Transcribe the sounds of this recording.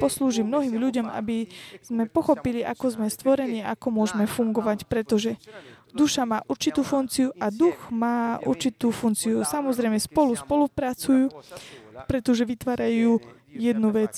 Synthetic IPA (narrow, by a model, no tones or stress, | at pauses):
pɔsluːʒiːmnɔɦiːmʎuɟɔma̰biz̥mɛpɔxɔpiliʔakɔzmɛst̪ʋɔɾɛniːaakɔmʊɔʒmɛfuŋɡɔʋacpɾɛt̪ɔʒɛd̪uʃamaːʔuɾt͡ʃit̪uːfunt͡siuʔad̪uɣmaːṵɾt͡ʃit̪uːfunt͡siusamɔzɾɛjmɛspɔluspɔlupɾat͡sujuː | pɾɛt̪ɔʒɛʋit̪ʋaːɾajuː | jɛd̪nuʋɛt͡s